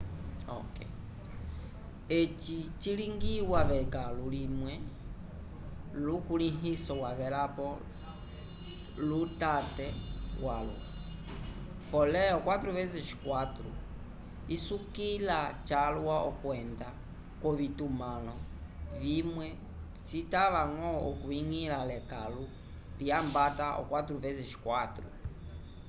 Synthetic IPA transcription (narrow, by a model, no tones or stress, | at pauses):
ɔ̰kɛ̰ | et͡ʃit͡ʃiliŋɡiwaβɛkalulimwɛ | lukuliɦisɔwaβɛlapɔ | lutatɛwalṵ | pɔlɛɔkwat̪ɾuvɛzɛʃi̥kwatɾṵ | isukilat͡ʃalwwaʔɔkwɛnda | kwɔβitumalɔvimwɛ | sitaβaŋɔɔkuiŋilalɛkalu | liambataʔɔ̰kwat̪ɾuvɛzɛʃi̥kwatɾṵ